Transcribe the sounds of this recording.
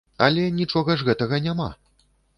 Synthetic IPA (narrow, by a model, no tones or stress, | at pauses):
ɐlʲɛnʲit͡ʂɔɣɐʐɣɛt̪ɐɣɐnʲama̰